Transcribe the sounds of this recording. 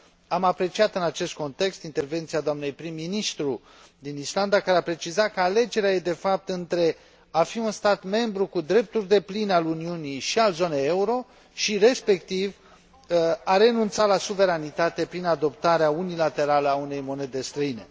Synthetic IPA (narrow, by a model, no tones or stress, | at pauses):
amapɾe̞t͡ʃiat̪ɨnat͡ʃe̞st̪ko̞nt̪e̞kst̪int̪e̞rve̞nt̪siad̪oamne̞jpɾimːinist̪ɾu | d̪inisland̪akaɾeapɾe̞t͡ʃizakəale̞d͡ʒe̞ɾeaje̞d̪e̞fap̚t̪ɨnt̪ɾe̞ | afiunst̪at̪me̞mbɾukud̪ɾe̞p̚t̪urd̪e̞plinaluniunijʃialzo̞neje̞uɾo̞ | ʃiɾe̞spe̞kt̪iv | aɾe̞nunt̪satlasuve̞ɾanit̪at̪e̞pɾinad̪o̞pt̪aɾeaunilat̪e̞ɾaləaune̞jmo̞ne̞d̪ed̪est̪ɾəinḛ